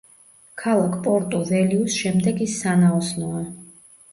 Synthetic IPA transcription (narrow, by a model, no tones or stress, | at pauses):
kʰalˠakʰpʼɔɾt̪ʼɔvɛliusʃɛmd̪ɛɡisːanaɔsnɔa